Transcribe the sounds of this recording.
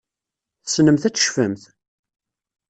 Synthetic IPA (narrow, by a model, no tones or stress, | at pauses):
θə̥snəmθæt͡sːə̥ʃfəmθ